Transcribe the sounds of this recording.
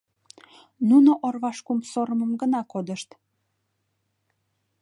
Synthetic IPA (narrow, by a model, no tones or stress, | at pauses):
nunoʔorβɑʃkumsoɾəməmɡənɑkod̪əʃt̪